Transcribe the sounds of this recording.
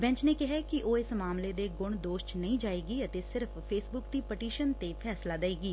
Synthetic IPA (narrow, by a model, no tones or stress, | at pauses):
bɛ̃ːɲt͡ʃneːkɪɦɛkiʔoːɪsmaːmleːd̪eːɡʊɳ̃d̪oːʃʈnəĩːd͡ʒaːeːɡiːət̪eːsɪɾfːeːsbʊkd̪iːpəʈiːʃənt̪eːpʰɛːslaːd̪əeːɡiː